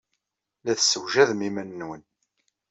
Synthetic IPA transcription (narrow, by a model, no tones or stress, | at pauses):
læθsːəwʒæðmimænːwən